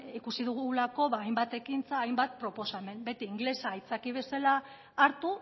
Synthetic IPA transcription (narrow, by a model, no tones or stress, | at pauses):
ikusiðuɣulako̞βaːjmbat̪e̞kint͡saːjmbat̪̚pɾo̞po̞same̞nbe̞t̪iːŋɡle̞sait͡sakiβ̞e̞salaː | ɾt̪u